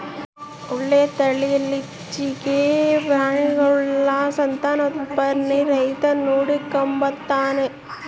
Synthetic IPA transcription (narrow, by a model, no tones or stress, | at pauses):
ʊɭːet̪ɐɭiɐli | t͡ʃːikebɾaːɳiɡɐlːasɐnt̪aːnɐt̪pɐɾniɾɐjt̪ɐnuːɽikːɐmbɐt̪ːaːne